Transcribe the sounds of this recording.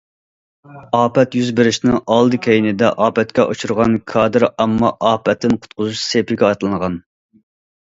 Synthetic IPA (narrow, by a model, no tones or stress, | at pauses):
ɑːpɛt̪jyzbɪɾɪʃnɪŋʔɑlˠd̪ɨkʲʰejinɪd̪ɛʔɑːpɛt̪̚kʲɛʔut͡ʃʰuɾʁɑnkʰɑːd̪ɨɾɛmːɑʔɑːpʰɛt̪ʰːɪnqʰʊ̥t̪̚qʰʊzuʃsepɪɡʲɛɑt̪ɨlˠɨŋʁɑn